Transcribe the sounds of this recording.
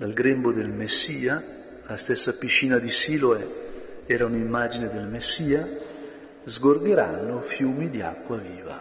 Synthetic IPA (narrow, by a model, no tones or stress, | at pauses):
d̪alɡɾembod̪elmesːiːa | last̪ɛsːapit͡ʃːiːnad̪isiːloeɛːɾaunimːaːd͡ʒined̪elmesːiːa | zɡorɡ̪eɾanːofjuːmid̪ia̰kːwaviːva̰